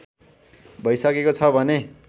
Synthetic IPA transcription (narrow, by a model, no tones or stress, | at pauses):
bʱʌjsʌkekot͡sʰʌbʱʌne